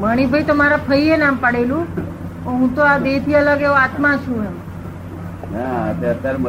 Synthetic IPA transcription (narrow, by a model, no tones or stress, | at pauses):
məɽ̃ibʱəjt̪omaɾapʰəienampəɽelũ | oɦũt̪oabet̪ʰiələɡeʋoat̪mãt͡ʃʰũem | naət̪at̪ɾ